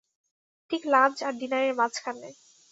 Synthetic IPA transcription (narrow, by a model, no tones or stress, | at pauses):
ʈʰiklant͡ɕaɾɖinaɾeɾmat͡ɕkʰane